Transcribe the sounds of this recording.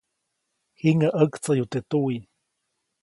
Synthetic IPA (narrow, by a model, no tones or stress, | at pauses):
hiŋəʔəkt͡sajut̪et̪ui